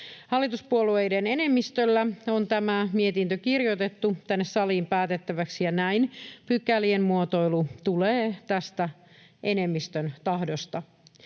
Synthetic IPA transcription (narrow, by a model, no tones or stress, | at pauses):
hɑlːit̪uspuolue̞jdene̞ne̞mːist̪ølːæo̞nt̪æmæmiet̪int̪økirjot̪e̞t̪ːut̪ænːessɑliːmpæːt̪et̪ːæʋæksijɑnæinpykːæliemmuot̪o̞jlut̪uleːt̪æst̪æ | ʔe̞nemːist̪ønt̪ɑɦdo̞st̪ɑ